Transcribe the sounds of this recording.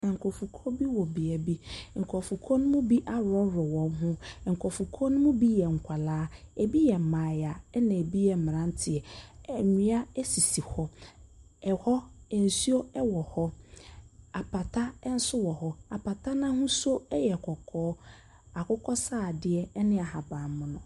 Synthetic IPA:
ã˨ŋ̩˨kʰɔ˨fu˨kʰɔ˦bi˦wɔ˨bi˨a˨bi˦ŋ̩˨kʰɔ˨fu˨kʰɔ˦nʊ̃˦mʊ̃˦bi˦ʔa˦ɾɔ˦ɾɔ˨wɔ̃˨m˦ɦʊ̃˦ŋ̩˨kʰɔ˨fu˨kʰɔ˦nʊ̃˦mũ˦bi˦jɛ˨ŋ̩˨kʷʰa˨laː˦e˨bi˦jɛ˨m̩˨mãː˨ja˨˦nã˨e˨bi˦jɛ˨m̩˨m˨ɾã˦n˦tʰɪ˨ɛ˨ɲĩ˦a˦ɛ˦si˨si˨hɔ˦ | ɛ˨hɔ˦˨n̩˨su˦o˦ɛ˦wɔ˨hɔ˦ | a˨pʰa˨tʰa˦n̩˦sʊ˦wɔ˨hɔ˦a˨pʰa˨tʰa˦nã˦hʊ̃˦so˦ɛ˦jɛ˨kʰɔ˨kʰɔː˦ | a˨kʰʊ˦kʰɔ˦saː˦˨dɪ˦ɛ˦nɪ̃˦a˨ha˨bã˨m˦mʊ̃˨nʊ̃˨

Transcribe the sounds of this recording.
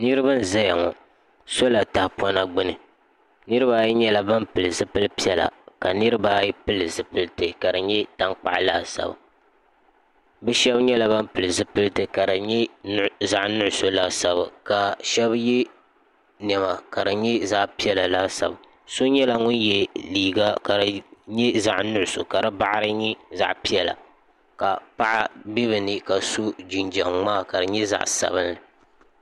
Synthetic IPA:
nɨ˦ɾɨ˦ba˦n̩˦˨za˦ja˨ŋɔ̰˨ | so˦la˨ta˨hpɔ˦na˦ɡ͡bɨ˦nɨ˨ | nɨ˦ɾɨ˦ba˦ji˦ɲɛ˦la˦ba˦mpɨ˨lɨ˨zɨ˦pɨ˦lɨ˦pi˦ɛ˦la̰˨ka˨nɨ˦ɾɨ˦ba˦ji˦pɨ˦lɨ˨zɨ˨pɨ˦lɨ˦tɨ˨ka˨dɨ˨ɲɛ˦ta˦ŋk͡pa̰˨ʔlaː˦sa̰˨ba̰˨ | bɨ˦ʃɛ˦bɲɛ˦la˨ba˦mpɨ˨lɨ˨zɨ˦pɨ˦lɨ˦tɨ˨ka˨dɨ˨ɲɛ˦nza˦ʔnʊ˦ʔʊ˦so˦la˦sa˨ba̰˨ka˨ʃɛ˦bjɛ˦ | n˨ɛ˨ma˨ka˨dɨ˨ɲɛ˦za˦ʔpi˦ɛ˦la˨la˦sa̰˨b | so˦ɲɛ˦la˨ŋʊ˦n˦jɛ˨liː˨ɡa˦ka˨ɲɛ˦za˨ʔnʊ˦ʔʊ˨so˨ka˨dɨ˦ba˦ʔa˦ɾɨ˦ɲɛ˦za̰˨ʔpi˦ɛ˦la̰˨ | ka˨pa˦ʔa˦bi˦bɨ˨nɨ˦ka˨so˦d͡ʒi˨nd͡ʒɛ˨ŋmaː˦˨ka˨dɨ˨ɲɛ˦za̰˨ʔsa̰˨bɨ˦nɨ˨

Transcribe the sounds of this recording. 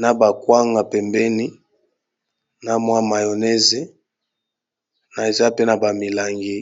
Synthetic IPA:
na˦ba˨kwa˦ŋɡa˨pɛ˨mbɛ˦ni˦ | na˨mwa˦ma˨jo˨ne˦ze˨ | na˨e˨za˦pe˦na˨ba˨mi˨la˨ŋɡi˦

